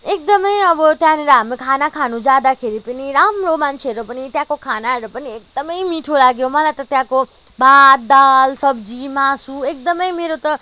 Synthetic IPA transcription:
ek̚d̪ʌmʌjʌbʌt̪jãneɾʌɦamekʰanakʰanũd͡zad̪akʰeɾipʌniɾamromant͡sʰeʌɾupʌnit̪jãkokʰanaɾʌpʌniek̚d̪ʌmʌjmiʈʰolaɡjomʌlajt̪ʌt̪jãko | bat̪̚d̪alsʌbd͡zimasuek̚d̪ʌmʌjmeɾot̪ʌ

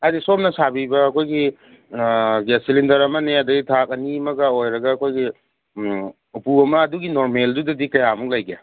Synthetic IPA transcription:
adisom̚nɐsabibɐːkʰojɡi | ɡesilindɐɾɐmɐneɐdɐɡitʰak̚ɐnimɐɡɐojɾɐɡɐːkʰojɡi | upuɐmɐːduɡinoɾmeldudɐdikɐjamuk̚lajɡe

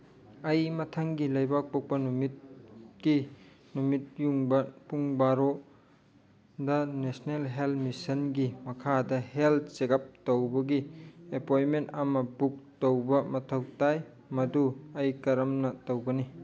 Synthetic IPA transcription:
ɐjmɐtʰɐŋɡilɐjbak̚pok̚pɐnumit̚ɡi | numit̚juŋbɐpuŋbaɾo | dɐnesnelɦelmisɐnɡimɐkʰadɐhelt̚sekɐp̚towbɐɡiepojmentɐmɐbuk̚towbɐmɐtʰɐwtaj | mɐduɐjkɐɾɐmnɐtowbɐni

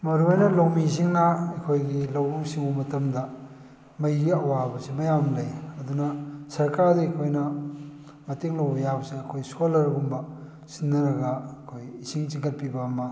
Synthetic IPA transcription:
mɐɾuɐjnɐlowmiziŋnɐɐkʰojɡilɐwusiŋumɐtɐmdɐ | mɐjɡiɐwabɐsimɐjamlɐjɐdunɐsɐɾkaɾdɐekʰojnɐ | mɐteŋlɐwbɐjabsiɐkʰojsolɐɾɡumbɐ | sinːɐɾɐɡɐɐkʰojisiŋt͡ʃiŋkɐt̚pibɐːmɐ

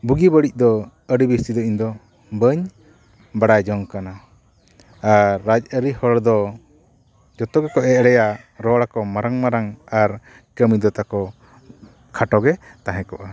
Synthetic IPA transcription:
buɡibəɽic̚ˀd̪ɔ | əɽibist̪id̪ɔiɲd̪ɔ | bəɲ | baɽajd͡ʒɔŋkana | aɾːad͡ʒ̚əɾihɔɭd̪ɔ | d͡ʒɔt̪ɔɡɛkɔʔɛʔɽɛjaɾɔɽakɔmaɾaŋmaɾaŋaɾ | kəmid̪ɔt̪akɔ | kʰaʈɔɡɛt̪aɦɛ̃kɔʔa

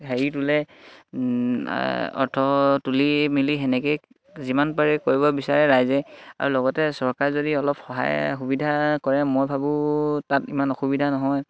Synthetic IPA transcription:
ɦeɹitulɛ | ɔ̰ɹtʰɔtulimiliɦɛnɛkɛ | zimanpaɹɛkoɹibɔbisaɹɛɹajzɛa̰ɹulɔɡɔtɛsɔɹkaɹzodiɔlɔpxɔɦa̰jxubidʱakɔɹɛmojbʱabʊ̃tatimanɔxubidʱanɔɦɔj

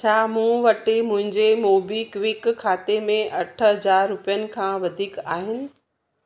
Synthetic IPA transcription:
t͡ɕʰaːmũːʋɐʈimʊ̃ɦɪ̃ɲd͡ʑemoːbikʋɪkʰːaːt̪emẽʔɐʈʰɦɐd͡ʑaːɾːʊpijənɪ̆kʰãːʋɐd̪ʱiːkaːɦɪnɪ̆

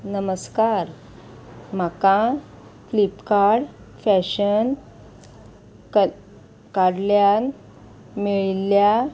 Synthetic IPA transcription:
nəməskaɾ | m̤akã | flipkaɽ | fæɕən | kaɽljan | miɭilːja

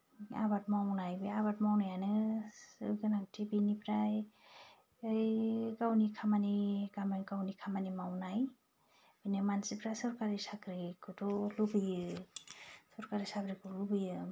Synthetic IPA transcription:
a̰batmawnajbeaβatmawnajanɯ | ɯɡɯnaktʰibinipɾaj | ɯjkawnikʰamanikamankawnikʰamanimawnaj | binimansipɾasɔɾkaɾisakɾikutɔlubɯjɯ | sɔɾkaɾisakɾikʰɔlubɯjɯ

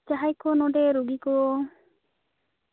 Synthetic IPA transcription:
t͡ʃaɦajkɔnɔɖeɾuɡikɔɔ

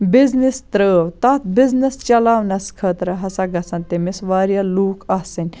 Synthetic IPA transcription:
biznist̪ɾəːwt̪at̪biznist͡ʃɐlaːʋnɐskʰəːt̪ɾɐɦɐsaɡɐsant̪emisʋaːɾjaluːkasɐnʲ

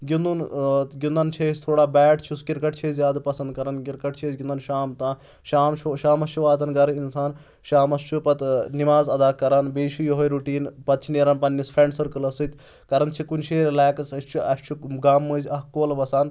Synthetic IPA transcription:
ɡʲind̪unɡʲind̪ɐnt͡ʃʰeisʲt̪ʰoːɽaːbɛːʈt͡ʃʰuskiɾkɐʈ̚t͡ʃʰezjaːd̪pɐsɐnd̪̚kɐɾɐnkiɾkɐʈ̚t͡ʃʰezʲɡʲind̪ɐnʃaːmt̪aː | ʃaːmt͡ʃʰuʃaːmɐst͡ʃʰuʋaːt̪ɐnɡɐɾɨinsaːn | ʃaːmɐst͡ʃʰupɐt̪nimaːzɐd̪aːkɐɾɐnbeːʃijoɦojɾuʈiːnpɐt̪̚t͡ʃʰineɾɐnpɐnʲːispʰɾeɳɖsɐɾkɨlɐsɨt̪ʲ | kɐɾɐnt͡ʃʰikunʲʃʰeːɾlɛːkɐsɐst͡ʃʰuɐst͡ʃʰuɡaːmːɨːzʲɐɦkoːlʋɐsaːn

